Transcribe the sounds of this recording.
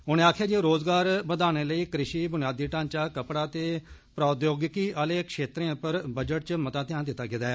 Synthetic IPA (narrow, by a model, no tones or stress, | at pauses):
ʊnẽːaːkʰjaːd͡ʒiɾoːzɡaːɾbəd̪aːñeːləiːkɾɪʃiːbʊnɪjaːd̪iːʈãːɲt͡ʃaːkəpɽaːt̪eːpɾaːd̪joːɡɪkiːʔaːleːkʃeːt̪ɾẽːpəɾbəd͡ʒəʈ̚t͡ʃəmət̪ãːt̪ɪjãːnd̪ɪt̪ːaːɡɪd̪aːɛː